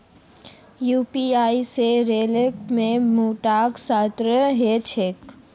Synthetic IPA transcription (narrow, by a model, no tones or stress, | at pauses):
juːpiaːiseɾeːləkmẽmuːʈaːksaːt̪ɾəɦet͡ʃʰek